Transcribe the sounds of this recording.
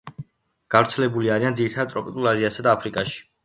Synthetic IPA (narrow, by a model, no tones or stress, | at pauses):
ɡ̥avɾt̪sʰɛlɛbuliaɾiand̪ziɾit̪ʰadadt̪ʼɾɔpʼit̪ʼulˠaziasad̪aːpʰɾikʼaʃi̥